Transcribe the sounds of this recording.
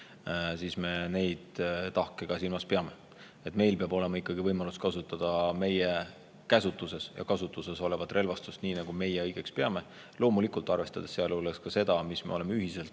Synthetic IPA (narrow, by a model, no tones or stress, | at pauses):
siːsme̞ne̞jd̪̥t̪ɑhkeɡ̥ɑsilmɑspeɑme̞ | e̞t̪ːˑme̞jlpeɑbo̞le̞mɑikˑːɑɡivɤjmɑluskɑsut̪ːˑɑd̪̥ɑme̞je | kæsut̪ːˑuse̞sjɑ̰kɑsut̪ːˑuse̞so̞le̞vɑt̪ːˑrʔe̞lvɑst̪ust̪niːnɑɡ̥ume̞jeɤjɡ̥e̞kspeɑme̞ | lo̞ːmulikult̪ːˑɑrve̞st̪ɑd̪̥esːeɑluleskɑse̞d̪̥ɑmisme̞̰o̞le̞meyɦise̞lt̪ˑ